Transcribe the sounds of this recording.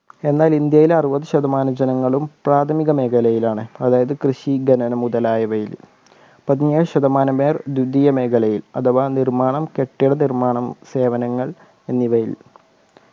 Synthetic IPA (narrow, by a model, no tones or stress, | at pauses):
e̞nːaːlind̪jɐjilɐrubɐðɨɕɐd̪ɐmaːnɐd͡ʑɐnɐŋːɐɭumpraːt̪ʰɐmiɣɐmeːɡɐlɐjilaːɳɨɐðaːjɐðɨkrɨɕiɡɐnɐnɐmuðɐlaːjɐʋɐjḭl | pɐðiɲeːɻɕɐðɐmaːnɐme̞ːrd̪jud̪ːijɐme̞ːɡɐlɐjilɐ̰t̪ʰɐʋaːnirmaːɳɐmke̞ʈːɐjɽɐnirmaːɳɐmse̞ːʋɐnɐŋːɐɭ | e̞nːiʋɐjḭl